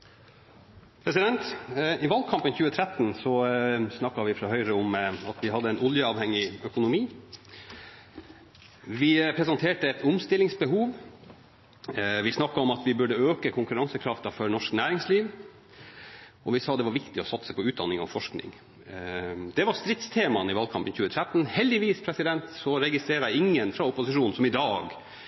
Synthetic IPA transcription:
pʰɾɛs̬ɪd̪ɛnt̪ɪʋɑlkʰɑmpənçʉːət̪ʰɾɛt̪nsɔsnɑkːɑʋɪfɾɑɦœʏɾəɔmɑt̪ʋɪɦɑd̪ːəɛnɔljəɑːʋhɛŋːɪœkʊnʊmiː | ʋɪpʰɾɛsɑnt̪ʰeːʈəɛt̪ʰʊmst̪ɪlːɪŋsbəɦuːʋ | ʋɪsnɑkːɑɔmɑt̪ʋɪbʉɖəøːkəkʰʊŋkʉɾɑŋsəkʰɾɑft̪ɑfɔɾnɔʂknæːɾɪŋsliːʋ | ɔʋɪsɑːd̪ɛʋɑɾʋɪkt̪ɪɔsɑt̪səpʰɔʉːd̪ɑ̰nːɪŋɔ̰fɔʂknɪ̰ŋ | d̪̥ɛʋɑɾst̪ɾɪt̪st̪ʰeːmɑnɪʋɑlkʰɑmpənçʉːət̪ʰɾæt̪ːn̩hɛld̪ɪʋiːspʰɾɛsɪd̪ɛnt̪sɔɾɛɡɪst̪ɾeːɾəæɪɪŋːənfɾɑʊpʊsɪʂuːnn̩sɔmɪd̪ɑːɡ

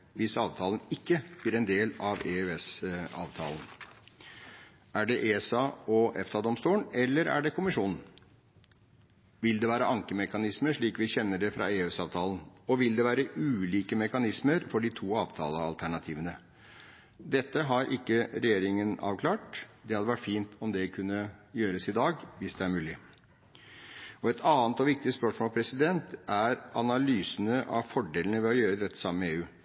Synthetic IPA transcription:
ʋɪsɑ̰ːʋt̪ʰɑːln̩ɪkːəb̥lɪːɾɛnd̪eːlɑʋeːʉɛsɑ̰ːʋt̪ʰɑ̰ːlən | æɖɛʔeːsɑɔʔɛft̪ɑd̪ɔmst̪uːnɛlːəɾæ̰ɖɛkʰʊmɪʂuːnn̩ | ʋɪld̪ɛʋæːɾəʔɑŋkəmɛkɑnɪsməʂɭiːkʋɪçɛnːəɖɛfɾʔɑ̰eːʉsɑːʋt̪ʰɑːln̩ɔʋɪld̪ɛʋæːɾəʔʉːliːkəmɛkɑnɪsməɾfɔɖɪt̪ʰuːɑːʋt̪ʰɑ̰ːləɑ̰lt̪ʰæɳɑt̪ʰiːʋənə | d̪ɛt̪ːəɦɑɾʔɪkːəɾɛjeːɾɪŋənɑ̰ːʋkʰlɑːʈd̪ɛhɑd̪əʋæʈːfiːnt̪ʰɔmd̪ɛkʰʉnːəjøːɾəsɪd̪ɑːɡʋɪsd̪ɛæɾmʉːlɪ | ɔɛt̪ʰɑːnt̪ɔʋɪk̚t̪ɪspœʂmoːlpʰɾɛsɪd̪ɛnt̪æɾɑnɑlyːsənəʔɑ̰ʋfɔɖeːlənəʋɛɔjøːɾəd̪ɛt̪ːə̥sɑmːəmɛeːʉː

